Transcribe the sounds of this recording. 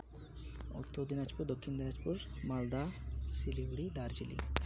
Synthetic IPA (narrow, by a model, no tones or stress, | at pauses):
o̰kt̪ʰːod̪inad͡ʒpuɾd̪okʰːimd̪inad͡ʒpuɾmald̪asiliɡuɽid̪aɾd͡ʒilḭ